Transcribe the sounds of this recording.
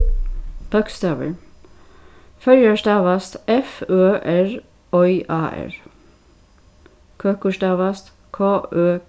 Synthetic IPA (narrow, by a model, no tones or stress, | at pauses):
b̥œkst̪ɑːʋə̰ | fœljəʃt̪ɑːʋɑst̪ɛføːʔæɹ | ɔʏʔɑːʔæ̰ɹ | kʰøːkʊʃt̪ɑːʋɑst̪ | kʰoːøː